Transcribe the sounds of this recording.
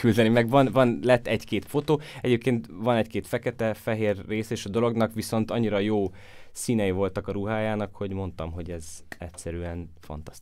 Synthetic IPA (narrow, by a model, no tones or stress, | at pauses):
kyld̪ɛnimɛɡvɒnvɒnlɛt̪ːɛɟkeːt̪fo̞t̪oːɛɟeːp̚keːnt̪ʋɒnɛckeːt̪fɛkɛt̪ɛfɛɦeːrːeːsɛeːʃɒd̪o̞lo̞ɡnɒkʋiso̞nt̪ɒɲːiɾɒjoː | siːnɛjivo̞lt̪ɒkɒɾuɦaːjaːnɒkho̞ɟmo̞nt̪ɒmɦo̞ɟɛzɛcʲsɛɾyɛnfɒ̰nt̪ɒ̥st̪